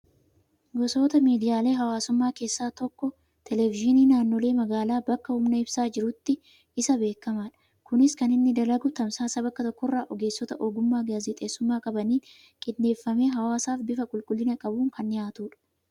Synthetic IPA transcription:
ɡɔso̞ːt̪ɐmiːd̪ɪjaːle̞ːɦɐwaːsʊmːaːke̞ːsːaːt̪ɔkːɔ | t̪ʰɛlɛvɪd͡ʒɪniːnaːnːoːle̞ːmɐɡaːlaːbɐkːɐhʊmnɐɪb̥saːd͡ʒɪɾʊt̪ːɪ | ɪsɐbe̞ːkːɐmaːᶑɐ̥ | kʊnɪskɐnɪnːɪd̪ɐlɐɡʊt̪ɐmsaːsaːbɐkːɐt̪ɔkːɔrːaːʔɔɡe̞ːsːɔt̪ɐʔoːɡʊmːaːɡaːzɛt̪ʼe̞ːsʊmːaːkʼɐbɐniːn | kʼɪnːe̞ːfːɐme̞ːɦɐwaːsaːfbɪfɐkʼʊlkʼʊlːɪnɐkʼɐbuːŋkʰɐnjaːt̪uːᶑɐ̥

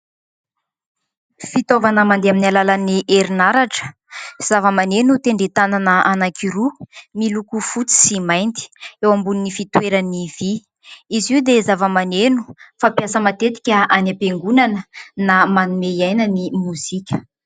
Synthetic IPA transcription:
fit̪ovanəmand̪eaminialalaniʔeɾinaɾaʈ͡ʂə̥ | z̥avəmanenut̪eɳɖ͡ʐet̪ananəanakiɾumilukufut͡si̥simajnt̪i̥ewambuninifit̪weɾənivi | izid̪ezavəmanenu̥fapjasəmat̪et̪i̥kʲəanapeŋɡunanənamanumeiajnənimuzikʲə̥

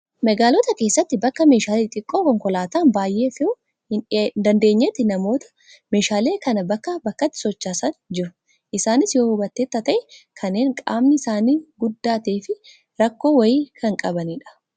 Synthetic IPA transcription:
mɐɡaːlɔt̪ɐke̞ːsːɐt̪ːɪbɐkːɐme̞ːʃaːleːt̪ʼɪkʼːoːkɔŋkɔlaːt̪aːnbaːjʔe̞ːfɪʊ | d̪ɐnd̪e̞ːɲːɛt̪ːɪnɐmo̞ːt̪ɐ̥ | me̞ːʃaːle̞ːkɐnɐbɐkːɐbɐkːɐt̪ːɪ̥sɔt͡ʃːaːsɐnd͡ʒɪɾʊ | ʔɪsaːnɪsjo̞ːhʊbɐt̪ːeːt̪ːɐt̪ɐʔɛkʰɐnːe̞ːŋkʼaːmnɪɪsaːniːɡʊd̪ːaːt̪e̞ːfɪ | ɾɐkːo̞ːwɐjiːkʰɐŋkʼɐbɐniːᶑɐ̥

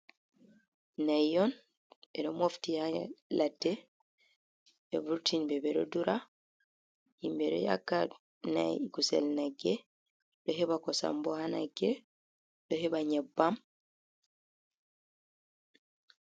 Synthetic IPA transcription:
najjɔn | ɛɾɔmoftihalatːɛ | ɛbuɾtʰinbɛbɛɾɔ̰duɾa | himbɛɾɔ̰ja̰kːa | na̰jiɡusɛ̰lnaɡɛ | dɔɦɛbakɔsa̰mbɔhanaɡɛ | dɔhɛbaɲɛbːam

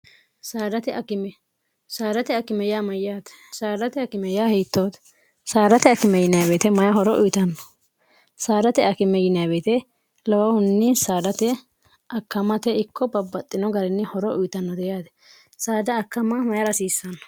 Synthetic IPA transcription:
saːd̪ɐt̪ɛɐkɪmɛ | saːd̪ɐt̪ɛɐkːɪmɛjaːmɐjaːt̪ɛ̥ | saːd̪ɐt̪ɛɐkɪmɛjaːhɛjt̪ːoːt̪ | saːd̪ɐt̪ɛɐkɪmɛjɪnɐjabeːt̪ɛmɐjɐɦɔɾɔʔʊjt̪ɐnːɔ | saːd̪ɐt̪ɛɐkɪmɛjɪnɐjabeːt̪ɛ | lɐwɐhʊnːɪsaːd̪ɐt̪ɛ | ʔɐkːɐmɐt̪ɛɪkʰːɔbɐbːɐt̪ʼːɪnɔɡɐɾɪnːɪhɔɾɔʔʊjɪt̪ɐnːɔd̪ɛjjaːd̪ɛ̥ | saːd̪ɐːkːɐmɐmɐjɐɾɐsiːsːɐnːɔ̥

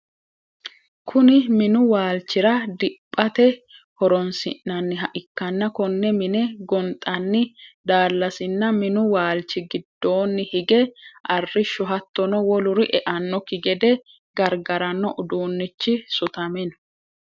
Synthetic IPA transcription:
kʰʊnɪmɪnʊwaːlt͡ʃːɪɾɐd̪ɪpʼːɐt̪ɛ | hɔɾɔnsɪ̰nːɐnːɪɦɐʔɪkːɐnːɐkɔnːɛmɪnɛɡɔnt̪ʼːɐnːɪd̪aːlːɐsɪnːɐmɪnʊwaːlt͡ʃːɪɡɪd̪ːo̞ːnːɪhɪɡɛʔɐrːɪʃːɔɦɐt̪ːɔnɔwɔlʊɾɪʔɛʔɐnːɔkːɪɡɛd̪ɛ | ɡɐɾɡɐɾɐnːɔʔʊd̪uːnːɪt͡ʃːɪsʊt̪ɐmɪnɔ̥

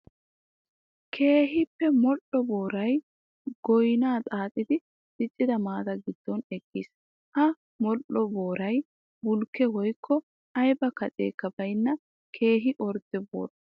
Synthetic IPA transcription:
kʰe̞ːɦɪpːɛmɔʔɔbo̞ːɾɐj | ɡ̥ɔjnaːt̪ʼaːt̪ʼɪd̪ɪ | d̪̥ɪt͡ʃʼːɪd̪ɐmaːd̪ɐɡɪd̪̥ːɔnɛɡʼːḭːs | hɐ | mɔlʔːɔboːɾɐj | bʊlkːɛwɔjkʰːɔ | ɐjbɐkɐt͡sʼḛːkːɐbɐjnːɐ | kʰe̞ːɦɪʔɔɾd̪̥ɛbo̰ːɾ

